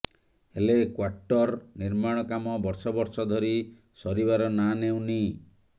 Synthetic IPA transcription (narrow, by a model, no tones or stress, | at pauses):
helekwaɾʈɔɾniɾmaɽ̃ɔkamɔbɔɾsɔbɔɾsɔd̪ʱɔɾi | sɔɾibaɾɔnanew̃ni